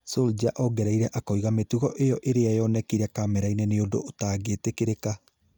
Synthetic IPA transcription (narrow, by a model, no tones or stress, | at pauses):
sold͡ʒaʔɔɡɛɾaiɾɛʔakɔiɣametuɣɔʔejɔʔeɾeajɔnɛkiɾɛkamɛɾaineneodo̰ʔːtaːɡetekeɾeka